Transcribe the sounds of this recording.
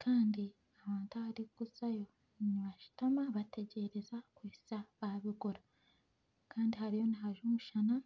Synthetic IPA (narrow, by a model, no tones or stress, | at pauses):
kʰaːndi | aβaːntuaβaɾikuzajo̞ | niβaʃu̥tamaβatʰe̞ɟe̞ɾe̞zakwiːsaβaβiɡuɾa | kaːndiɦaɾijo̞niɦaʒumuʃana